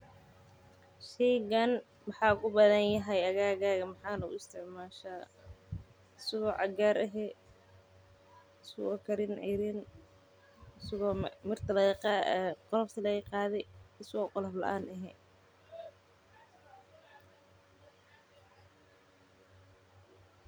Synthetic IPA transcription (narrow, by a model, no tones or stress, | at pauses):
ʃɛjɡɐn | mɑħɑːʊɣʊbɐðɐnjɐɦɛjɐɣaːɣaːɣɐmɑħɑːnɐʊ̰ɪst̪ʰɪʕmaːʃaː | ɪsɐɣɔːʕɑɡaːɾɛɦɛ | ɪsɐɣɔːkʰɐɾɪnʕɪ̰ɾɪn | ɪsɐɣɔːmɪrt̪ʰɐlɐɣqɑɛqɔlɐft̪ʰɐlɐɣɐqɑːðɛjɪsɐɣɔːqɔlɐflɐ̰ʔaːnɛɦɛ̰